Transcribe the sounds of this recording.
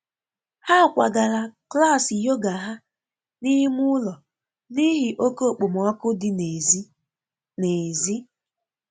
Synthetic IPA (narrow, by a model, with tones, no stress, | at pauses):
ha˦˨kʷa˨ɡa˨ɾa˨kla˦˨sɪ˨jo˦ɡa˨ɦa˦ | ni˦mu˦ʊ˦lɔ˨ | ni˦ɦɪ˨ʔo˦ko˦˨k͡po˨m˨ɔ˦kʊ˦dɪ˨n˨z | ne˨zi˦